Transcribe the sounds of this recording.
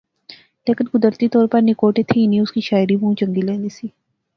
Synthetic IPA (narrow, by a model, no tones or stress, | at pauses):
leːkɪnkʊd̪əɾt̪it̪ɔːɾpɐɾnɪkoːʈet̪ʰinĩʊskiʃaːɪɾiʋɐɦũt͡ʃɐ̃ŋɡilẽːnd̪isiː